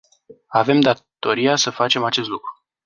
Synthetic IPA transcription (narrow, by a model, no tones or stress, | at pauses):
ave̞md̪at̪o̞ɾiasəfat͡ʃe̞mat͡ʃe̞s̬t̪lukɾu̥